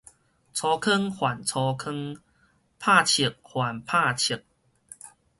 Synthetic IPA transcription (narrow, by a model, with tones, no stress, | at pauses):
t͡sʰɔ˧kʰə˦ŋhwa˨˩nt͡sʰɔ˧kʰə˦˥ŋ | pʰa˥˧˨t͡ɕʰi˨˩k̚hwa˨˩npʰa˥˧t͡ɕʰi˨˩k̚